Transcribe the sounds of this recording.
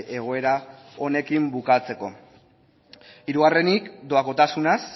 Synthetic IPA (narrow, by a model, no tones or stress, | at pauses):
e̞ɣ̞o̞e̞ɾa | o̞ne̞kimbukat͡se̞ko̞ | iɾuɣare̞nikd̪o̞ako̞t̪asunas